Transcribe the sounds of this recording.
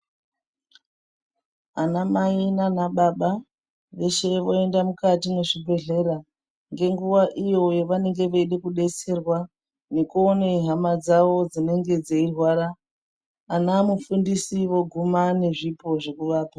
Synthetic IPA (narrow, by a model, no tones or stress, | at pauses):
anamainanaɓaɓa | ʋe̞ʃe̞ʋo̞e̞ndamukatine̞ʐibʱe̞ɮe̞ɾa | ŋɡe̞ŋɡuʋaʔijo̞jeʋane̞ŋɡe̞ʋeiɗekuɗe̞t͡se̞rwa | nekuoneɦamad͡zaʋo̞d͡zine̞ŋɡe̞d͡zeirwaːɾaː | namufundisiʋo̞ɡʱumane̞ʐipo̞ʐekuʋaːpa